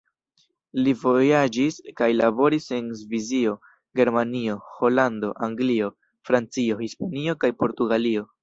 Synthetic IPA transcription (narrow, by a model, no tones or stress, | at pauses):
livo̞jad͡ʒiskajlabo̞ɾise̞nzvizio̞ | ɡe̞ɾmanio̞ho̞lando̞ʔaŋɡlio̞ | fɾant͡sio̞hispanio̞kajpo̞ɾtuɡalio̞